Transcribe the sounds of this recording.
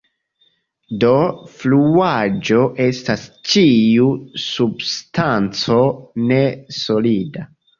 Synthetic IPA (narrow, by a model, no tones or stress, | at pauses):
do̞fluad͡ʒo̞ʔe̞stast͡ʃiusubstant͡so̞ne̞so̞lida